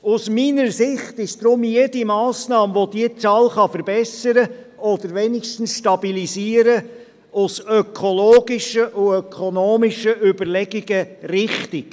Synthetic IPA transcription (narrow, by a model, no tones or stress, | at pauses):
ʊsminəɾsɪχt̪ɪʃd̥ɾʊmjedimɑːsnɑːmʋodiət͡sɑːlχɑfəɾbɛsəɾə | ɔd̪əɾʋɛniʃtn̩sʃtɑbilisiːəɾə | ʊsœkʰoloːɡiʃəʔuœkʰonoːmiʃəʔybəɾlɛɡiɡərɪχtik